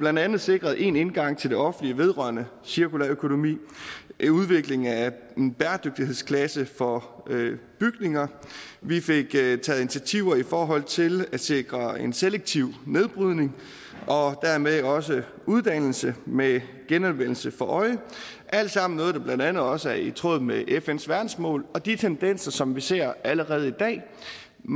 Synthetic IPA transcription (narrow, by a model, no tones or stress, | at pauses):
b̥lænd̥ænð̞̩ˠse̝ɡ̥ʁɐð̞̩ˠʔe̝ne̝nɡ̥ɑ̈ŋ̰t͡sʰe̝ld̥e̝ɒ̽fn̩liəʋe̝ð̞ˠʁɶɐnə | siɐkʰulæɐøkʰo̝no̝mḭːʔuðˠʋe̝ɡ̥le̝ŋæ | e̝nb̥æɐd̥øɡ̥̚d̥ihe̝ðˠskʰlæsəfɒ̽ | b̥yɡ̥ne̝ŋɐʋife̝ɡ̥t͡sʰɛːð̩ˠinit͡sʰiæt͡sʰiʊɐifɒːɦɒ̽l̰t͡sʰe̝læ̥se̝ɡ̥ʁɐenseleɡ̥̚t͡sʰiʊ̰ne̝ðˠb̥ʁyð̞̰ˠne̝ŋ | ʔɒ̽d̥æɐ̰meɒ̽s̬ə | uðˠd̥æn̰l̩səme | ɡ̥enɒnʋen̰l̩səfɒ̽ʔɒ̽ɪə | ʔæl̰d̥sɑ̈m̰n̩nɔːðˠdɑ̈b̥lænd̥ænð̞̩ˠɒ̽səæɐit͡sʰʁɔ̰ːð̩̰ˠmeʔefensʋæɐd̥n̩smɔ̰ːlɒ̽d̥it͡sʰend̥en̰sɐsɒ̽mʋise̝ɐ̰æləʁɛːð̞̩ˠid̥ɛ̰ː